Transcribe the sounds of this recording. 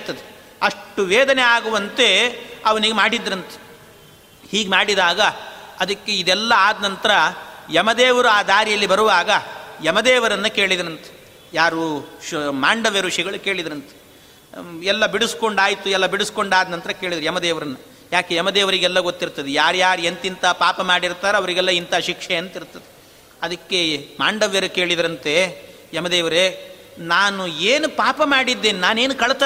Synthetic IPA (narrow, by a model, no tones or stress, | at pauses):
t̪ːɐd̪e | ɐʂʈuʋeːd̪ɐneaːɡuʋɐnt̪e̞ɐʋɐniɡemaːɽid̪ɾɐnt̪ɐ̥ | hiːɡmaːɽid̪aːɡɐːd̪ɐkːeid̪ɛlːɐaːd̪nɐnt̪ɐɾɐjɐmɐd̪ɛːʋɐɾuaːd̪ʱaːɾijɐlːibɐɾuʋaːɡɐjɐmɐd̪ɛːʋɐɾɐnːɐke̞ːɭid̪ɾɐnt̪ɐ̥ | jaːɾu | maːɳɖɐʋeɾuʂiɡɐɭuke̞ːɭid̪ɾɐnt̪ɐ̥ | ɛlːɐbiɽusko̞ɳɖaːjit̪uɛlːɐbiɽusko̞ɳɖaːd̪nɐnt̪ɐɾɐkeːɭid̪ɐɾjɛmɐd̪ɛːʋɐɾɐnːɐ | jaːkejɐmɐd̪ɛːʋɐɾiɡɛlːɐɡot̪ːiɾt̪ɐd̪ejaːɾjaːɾient̪int̪ɐpaːpɐmaːɽiɾt̪aːɾeɐʋɐɾiɡɛlːɐint̪aʃikʂɛjɐnt̪iɾt̪ɐd̪e | ɐd̪ɐkːe̞maːɳɖɐʋjɐɾuke̞ːɭid̪ɐɾɐnt̪e̞ | jɐmɐd̪ɛːʋɐɾe | naːnueːnupaːpɐmaːɽid̪ːeːninaːne̞ːnukɐɭt̪ɐ